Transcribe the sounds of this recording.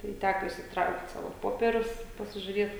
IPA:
tɐɪ ˈtʲækoː ɪʃʲsʲɪtˈrɐʊkt ˈsɑːʋoː ˈpoːpʲiɛrʲʊs ɪ pɐsʲɪʒʲʊrʲiɛt

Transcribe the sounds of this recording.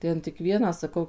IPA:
ˈtʲɛn tʲɪk ˈʋʲiɛnɑː sɐˈkɐʊ

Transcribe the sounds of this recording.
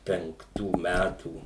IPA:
pʲɛŋkˈtuː ˈmʲætuː

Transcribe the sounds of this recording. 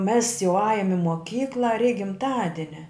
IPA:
mʲɛs jɛʊ ˈɑːjʊm ɪ moːˈkʲiːklˠɐ rʲɛɪk ɡʲɪmˈtɑːdʲɪnʲɛ

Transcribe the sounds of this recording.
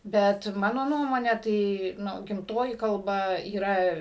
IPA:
ˈbʲɛt ˈmɑːnoː ˈnuɔmoːnʲɛ ˈtɐɪ ˈnʊ ɡʲɪmˈtoːjɪ kɐlˠˈbɐ iːˈrɐ

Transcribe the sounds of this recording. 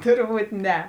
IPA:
ˈtʊrˌbuːt ˈnʲɛ

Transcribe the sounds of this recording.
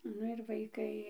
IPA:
ˈnʊ ɪr ʋɐɪˈkɐɪ

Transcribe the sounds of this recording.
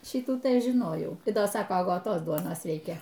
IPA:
ˈʃʲiːtuː tɐɪ ˈɐʃ ʒʲɪˈnoːjɛʊ tɐɪ ˈdɐ ˈsɑːkoː ɐɡoːˈtoːs ˈduɔnoːs ˈrʲɛɪkʲɛ

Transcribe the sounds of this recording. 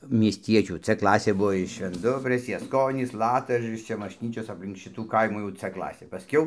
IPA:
mʲiɛsʲˈtʲiɛt͡ʃʲuː t͡s ˈklˠɑːsʲeː ˈbuɔ ɪʃ ʃʲʋʲɛnˈdʊbʲrʲeːs jɛsˈkoːnʲiːs ˈlˠɑːtɐʒɐrʲɪs ˈt͡ʃʲɛ mɐʃʲˈnʲiːt͡ʃʲoːs ɐpʲˈlʲɪŋk ˈʃʲɪtuː ˈkɐɪmuː jɛʊ t͡s ˈklˠɑːsʲeː pɐˈsʲkʲɛʊ

